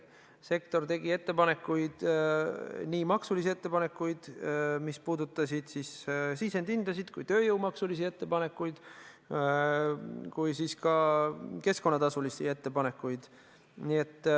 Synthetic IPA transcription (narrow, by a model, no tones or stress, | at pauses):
se̞k̚t̪o̞rt̪e̞ɡie̞t̪ːe̞pɑne̞kːujd̪̥ | niːmɑksulisie̞t̪ːe̞pɑne̞kːˑujd̪̥mispuːd̪ut̪ːˑɑsid̪̥sissise̞nd̪ind̪̥ɑsid̪̥kujt̪ø̞ːjɤwmɑksulis̬ie̞t̪ːe̞pɑne̞kːˑujd̪̥ | kujsiskɑke̞sko̞nːɑt̪ɑsulisie̞t̪ːe̞pɑne̞kːˑujd̪̥ | nie̞t̪ˑː